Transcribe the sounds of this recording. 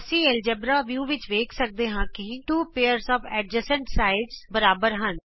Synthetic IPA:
əsĩːɛld͡ʒɛːbɾaːʋjuːʋɪt͡ʃʋeːkʰsək̚d̪eːɦãːkiʈuːpeːəɾsɔːfɛːɖ̚d͡ʒəsə̃ɳʈsaːɪɖzbəɾaːbəɾɦən

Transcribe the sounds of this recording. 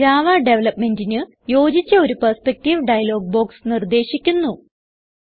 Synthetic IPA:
ɾaːʋaːɖe̞ʋelɐpme̞ndinɨ | jo̞ːd͡ʑit͡ɕːɐo̞ɾuperspek̚tiʋɖɐjɐlo̞ːɡ̚bo̞ːksnird̪e̞ːɕikʲːunːu

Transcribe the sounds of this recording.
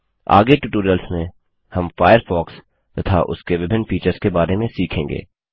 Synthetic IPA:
a̰ːɡeʈuʈuːɾiəlsmẽ | hɐmfaːjəɾfɔːks | t̪ɐt̪ʰa̰ʔʊ̰skeʋɪbʱɪ̃nfiːt͡ʃəɾz̥kebaːɾemẽsiːkʰẽːŋɡḛː

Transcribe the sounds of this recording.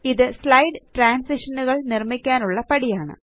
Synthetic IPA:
iðɨslɐjɖʈraːnsiʂɐnːuɣɐɭnirmikʲːaːnuɭːɐpɐɽijaːɳɨ̰

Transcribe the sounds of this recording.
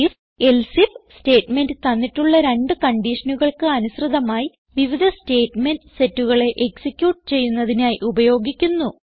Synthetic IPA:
f | elsifste̞ːʈme̞ndɨt̪ɐnːiʈːuɭːɐɾe̞ɳɖɨkɐɳɖiʂɐnuɣɐɭkɨɐnusrɨd̪ɐmaːji | ʋiʋid̪ʱɐste̞ːʈme̞ndse̞tːuɣɐɭe̞ʔeksikʲːjuːʈːɨt͡ɕe̞jːunːɐðinaːjiʔubɐjo̞ːɡikʲːunːu

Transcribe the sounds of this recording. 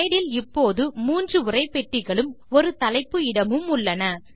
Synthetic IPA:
jɐɽɪlɪpːoːðɯmuːndrɯʊrɐɪpːɛʈːɪɣɐɭɯm | ɔɾɯt̪ɐlɐɪpːɯɪɽɐmɯmʊɭːɐnɐ

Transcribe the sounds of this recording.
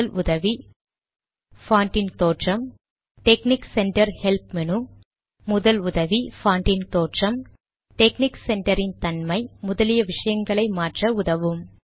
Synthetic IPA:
lʊðɐʋi | faːɳʈɪnt̪oːʈrɐm | ʈɛknɪksɛɳʈɐɾhɛlp̚mɛnɯmː | ʊðɐlʊðɐʋifaːɳʈɪnt̪oːʈrɐm | ʈɛknɪksɛɳʈɐɾɪnt̪ɐnmɐɪmʊðɐlɪjɐʋɪʂɐjɐŋɡɐɭɐɪmaːʈrɐʊðɐʋɯm

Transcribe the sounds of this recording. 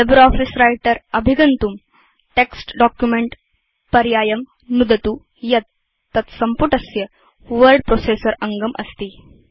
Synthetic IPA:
lebəɾɔfisɾajʈəɾəbʱiɡənt̪um | ʈeksʈɖɔkjumeɳʈ | pɐɾjajəm | nud̪ət̪uː | jɐt̪ː | ɐt̪sɐmpuʈəsjə | ʋəɾɖpɾosesəɾəŋɡəmʔəst̪iː

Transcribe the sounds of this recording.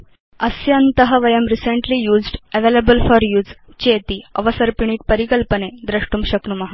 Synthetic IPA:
əsjɐnt̪əɦəʋɐjəmɾiseɳʈlijuːd͡zɖeʋelebəlfɔɾjuːd͡z | t͡ɕet̪iə̰ʋəsəɾpiɳ̃iːk̚pəɾikəlpəned̪ɾəʂʈuːmɕəknumɐɦa

